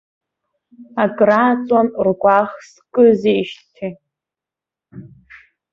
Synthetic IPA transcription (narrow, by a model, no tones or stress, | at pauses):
akʼraːt͡sʼamrɡʷaχskʼɨzeiʃtʰi